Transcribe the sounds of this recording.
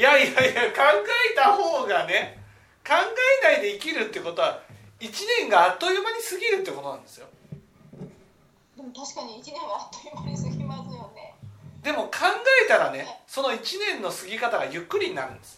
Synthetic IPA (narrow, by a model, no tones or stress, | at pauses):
jaiajajakãŋɡae̞t̪aho̞ːɡane̞ | kãŋɡaenaid̪e̞ikʲiɾɯ̟t̪ːeko̞t̪o̞βa | it͡ɕinẽ̞ŋɡaːt̪ːojɯmaɲ̟isɨɡʲiɾɯ̟t̪ːe̞ko̞t̪o̞nãnd̪e̞sɨjo | d̪e̞mot̪aɕi̥kaɲiːt͡ɕinẽ̞ŋɡaat̪ːojɯmaɲ̟isɨɡʲimasɨjoned̪e̞mo̞kʰãŋɡae̞t̪aɾane̞so̞no̞it͡ɕinẽ̞nːo̞sɨɡʲikat̪aɡajɯ̟kːɯ̟ɾʲiɲ̟ina̰ɾɯ̟̃nd̪esɨ̥